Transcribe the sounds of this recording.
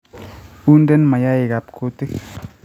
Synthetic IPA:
u˦nde˦nma˨ja˦i˨ɡa˨p̚kʰo˦t̪i˦k

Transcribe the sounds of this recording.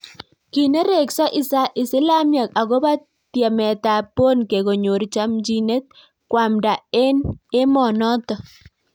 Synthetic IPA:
ki˨ne˦ɾe˨ksa˦ʔɪ˦sa˦ʔɪ˨sɪ˦la˦mja˨ka˨ɣo˦ba˦ | t̪jɛ˨mɛ˨t̪a˨po˦nke˨ɣo˨ɲo˨ɾt͡ʃa˦md͡ʒi˦ne˦t̪̚ | kwa˨mda˨e˦ne˦mɔ˨nɔ˦t̪ɔ˨

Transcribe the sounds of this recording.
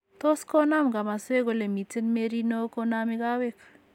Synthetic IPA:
to˦skɔ˦na˦mɡa˨ma˨swe˦ko˨le˨mi˨tɪ˦nme˦ɾi˦no˦ko˦na˦mɪ˦ka˦wek

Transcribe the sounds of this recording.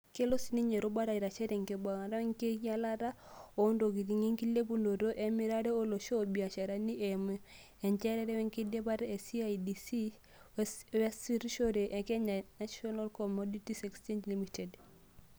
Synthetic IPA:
ke˦lo˦si˨˦ni˦ɲe˨ɾo˦ba˦ɾa˨i˨ɾa˨t͡ʃɛ˦ɾe˨ŋke˨ba˨ŋa˨ɾa˦wɛ˦ŋke˦ja˦la˦ɾa˦ | o˨˦ndo˨ɡi˨ɾi˨ŋe˦ŋki˦le˦bu˨ndo˨ɾo˦ʔe˦mi˦ɾa˦ɾe˦o˦lo˨ʃo˦˨bi˨a˨ʃa˨ɾa˦ni˦ʔɛ˨m | ɛ˨ɲt͡ʃɛ˦ɾɛ˦ɾɛ˦wɛ˦ŋke˦de˦ba˦ɾe˨si˦aidi˨si˦ | wɛ˦si˦ɾʃo˦ɾe˨ʔe˨kɛ˦ɲa˨na˦ʃiɔ˦na˦lkɔ˨mɔ˦di˦ti˦sɛ˨kst͡ʃe˦ɲd͡ʒli˦mi˨te˨d

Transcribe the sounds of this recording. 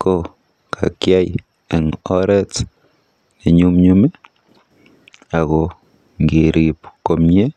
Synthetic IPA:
ko˦ | kʰa˨kjaj | e˨ŋo˦ɾɛ˦t͡s | ne˨ɲu˦mɲu˦mi˦ | a˨ɣo | ŋɡi˨ɾi˨pko˨mɲe˦

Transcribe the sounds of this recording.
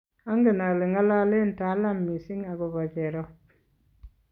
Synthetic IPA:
a˦ŋɡe˨na˨li˨ŋa˦la˦le˦nta˨˦la˦mːi˨si˦ŋa˨ɡu˨βa˨ke˨ɾo˦

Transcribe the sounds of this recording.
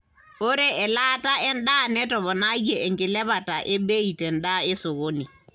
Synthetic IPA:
o˦ɾɛ˦ʔɛ˨la˦ta˦ɛ˦nɗa˦nɛ˦tɔ˨βɔ˨na˦ɡe˨ʔe˨ŋkɪ˨lɛ˦βata˨ʔe˦be˦i˨tɛ˨nɗa˦e˦so˨ɣo˦ni˨

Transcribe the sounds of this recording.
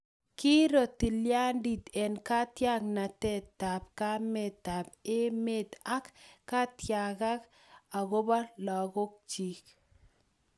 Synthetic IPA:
ki˦ɾo˨ti˨lja˦ndi˨t̪ɛ˨nka˦tja˦kna˨tɛ˦ta˨p̚ka˦mɛ˨ta˨p̚e˦meta˦kːa˦tja˨ka˦k | a˨ko˦ba˦la˨ko˦k̚t͡ʃi˨k̚

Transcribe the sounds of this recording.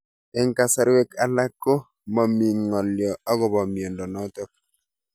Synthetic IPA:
ɛ˦ŋka˨sa˦ɾwe˦ka˨la˦kːo˦ | ma˨mi˨ŋŋɔ˨ljɔ˨a˦ɡɔ˨ba˨mi˨o˨ndɔ˨nɔ˦tɔ˦k̚

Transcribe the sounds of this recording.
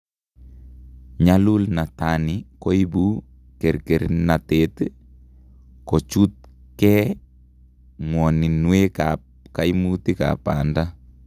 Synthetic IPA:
ɲalu˦lna˨tanikɔ˦ibu˦ | kɛ˨ɾke˨ɾna˨tet | kɔ˨t͡ʃu˦t̪̚ | kɛ | ŋwɔ˨ni˨nwekap̚ | ka˦jmuti˦ka̰pa̰nda

